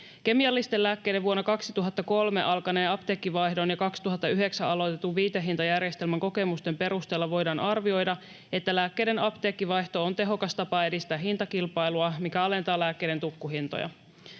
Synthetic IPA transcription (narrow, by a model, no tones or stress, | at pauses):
k̟e̞miɑlːist̪e̞læːkːe̞jdeʋuo̞nːokɑksit̪uɦɑt̪ːɑko̞lme̞̰ʔɑlkɑne̞ːɑpt̪e̞ːkːiʋɑjhdo̞njɑkɑksi̥t̪uɦɑt̪ːɑyɦe̞ksæɑlo̞jt̪et̪ːuʋiːt̪eɦint̪ɑjærjest̪elmæŋko̞ke̞must̪e̞mpe̞ɾust̪e̞ːlːɑʋo̞jdɑːnʔɑrʋio̞jdɑ | e̞t̪ːælæːkːe̞jde̞nɑpt̪e̞ːkːiʋɑjht̪o̞ont̪e̞ɦo̞kɑst̪ɑpɑe̞dist̪æːɦint̪ɑkilpɑjluɑmikæɑle̞nt̪ɑːlæːkːe̞jɾent̪ukːuɦint̪o̰jɑ̰